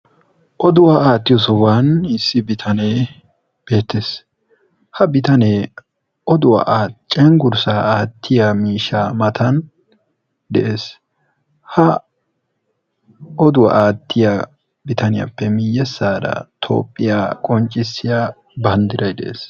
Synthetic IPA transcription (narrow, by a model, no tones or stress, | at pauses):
ʔɔd̪ʊwaaːt̪ːɪjɔsɔwaːnɪsːɪbɪt̪ʰɐne | b̥e̞ːt̪ːeːs | hɐbɪt̪ɐneː | ʔɔd̪ʊwɐ̰ʔaːt͡ʃʼːɛŋɡʊɾsaːʔaːt̪ʰːɪjamiːʃamɐt̪ʰɐn | d̪ɛʔe̞ːs | hɐ | ɔd̪ʊwɐ̰ʔaːt̪ʰːɪja | bɪt̪ʰɐnɪjɐ̰pːɛmɪjːɛsːaːd̪ɐ̰t̪ʰo̰ːpʼːɪjaːkʼɔnt͡ʃʼːɪsːɪjaː | bɐnd̪ɪɾɐjd̪ɛ̰ʔḛːs